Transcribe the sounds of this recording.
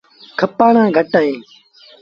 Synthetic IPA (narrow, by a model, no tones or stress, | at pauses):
kʰəpːaːnãːɡʱəʈaːɦẽː